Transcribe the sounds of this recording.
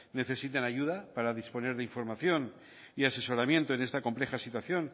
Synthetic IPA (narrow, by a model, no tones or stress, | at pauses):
ne̞θe̞sit̪enaʝuð̞apaɾað̞ispo̞ne̞ɾðeiɱfo̞ɾmaθjo̞n | iase̞so̞ɾamjẽ̞nt̪oene̞st̪ako̞mple̞xasit̪waθjo̞n